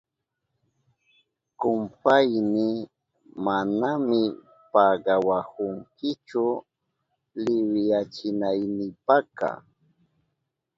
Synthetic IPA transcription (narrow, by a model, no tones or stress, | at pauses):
kʊmpajnɪ | manamɪ | paɢɑwahʊŋkɪt͡ʃʊ | lɪwjat͡ʃɪnajnɪpakɑ̰